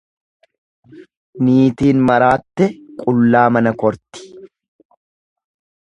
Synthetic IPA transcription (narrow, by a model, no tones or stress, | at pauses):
niːt̪iːnmɐɾaːt̪ːɛkʼʊlːaːmɐnɐkɔɾt̪ɪ̥